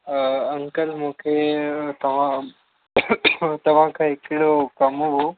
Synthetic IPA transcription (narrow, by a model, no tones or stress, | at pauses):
əŋkəlmuːkʰet̪ɐʋ̤ã | t̪ɐʋ̤ãkʰaekɽokɐmoɦo